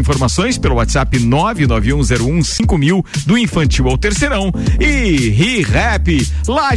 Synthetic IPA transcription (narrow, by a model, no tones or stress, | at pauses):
ĩfoɾmasõj̃spelʊat̪ɪz̥apɪnɔvɪnɔvɪũzɛɾʊũsĩŋkʊmiwd̪ʊĩfɐ̃nt͡ʃiwawt̪eɾsejɾɐ̃w̃ɪɦiʁɛpɪ | la